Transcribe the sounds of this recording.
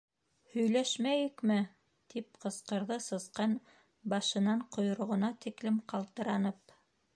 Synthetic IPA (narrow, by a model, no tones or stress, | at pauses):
hɵ̆jlæʃmæjɘkmɘ | t̪ip̚qɤ̆sqɤ̆ɾðɤsɤ̆sqɑn | bɑʃɤ̆nɑɴqŏjŏɾŏʁŏnɑt̪iklɘmqɑlˠt̪ɤ̆ɾɑnɤp